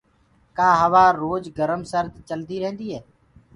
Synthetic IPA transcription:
kaːɦəʋaːɾoːd͡ʒɡəɾəmsəɾd̪t͡ʃəld̪iːɾə̃ɦə̃nd̪iːɦɛː

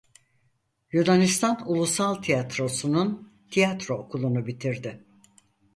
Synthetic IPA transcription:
jud̪anist̪ʰanulˠusalˠt̪ʰijat̪ɾo̞sunun | t̪ʰijat̪ɾookʰulˠunubit̪ʰiɾd̪ɪ

